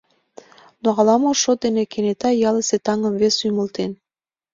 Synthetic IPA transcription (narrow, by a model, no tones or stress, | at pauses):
noɑlɑmoʃod̪enekenet̪ɑjɑleset̪ɑŋəmvesujməlt̪en